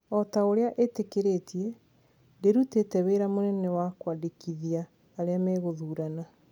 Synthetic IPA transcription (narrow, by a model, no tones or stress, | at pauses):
ɔtaoɾeaʔetekeɾetiɛ | deɾutetɛweɾamonɛnɛwakwadekiðiaː | ɾeamɛːɣoðuːɾana